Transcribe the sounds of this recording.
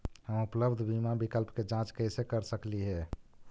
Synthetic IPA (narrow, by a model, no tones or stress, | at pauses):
həmupləbd̪ʱbimabikəlpked͡ʒãt͡ʃkəjsekəɾsəkliɦɛ